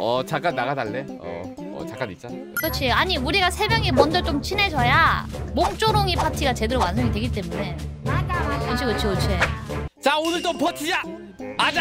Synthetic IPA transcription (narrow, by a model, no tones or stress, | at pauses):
ʌt͡ɕak͈anːaɣadaɭːe̞ | ʌ̰ | ʌ̰t͡ɕak͈anit̚t͡ɕ͈a | kʌt͡ɕʰieaɲiuɾiɡasʰe̞mjʌŋemʌnd͡ʑʌt͡ɕ͈omt͡ɕʰine̞d͡ʑʌjamoŋt͡ɕ͈oɾoŋipʰatʰiɡat͡ɕe̞deɾowans̬ʰoŋidweɡit͈e̞mune̞aot͡ɕʰikɯt͡ɕʰiɡot͡ɕʰiet͡ɕaonɯɭt͈ompʰʌtʰid͡ʑa | ad͡ʑa